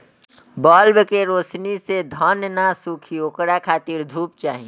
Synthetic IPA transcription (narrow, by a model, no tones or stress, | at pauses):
bɔːlbkeɾoːsnised̪ʱɔnnasukʰiokɽakʰaːt̪iɾd̪ʱuːp̚t͡ʃaːɦĩ